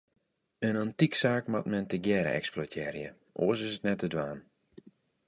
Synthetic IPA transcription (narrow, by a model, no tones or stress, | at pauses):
ənantiksaːkmat̚mɛntəɡjɛːɾə̰ɛ̰ksplotʰɛːrjə | ʔo̰əs̬ɪsətnɛtədʋaːn